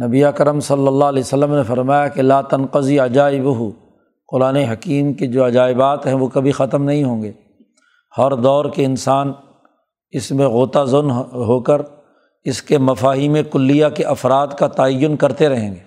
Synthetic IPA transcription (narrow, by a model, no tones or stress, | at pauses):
nɐbiɐkəɾəmsɐlːəlːalɛːosəlːəmnefɐɾmaːjakelaːt̪ɐnqəziɐd͡ʒaːɪbʊɦʊ | qʊɾaːneɦɐkiːmked͡ʒoːɐd͡ʒaːɪbaːt̪ɦɛ̃ʋokɐbʱixɐt̪əmnɐɦĩɦõːɡeː | hɔɾd̪ɔːɾkeɪnsaːn | ɪsmẽɣoːt̪azʊnɦoːkəɾ | ɪskemɐfaːɦiːmẽkʊlːijakeʔɐfɾaːd̪kat̪aːəjːʊnkɐɾt̪eɾɐɦẽːŋɡeː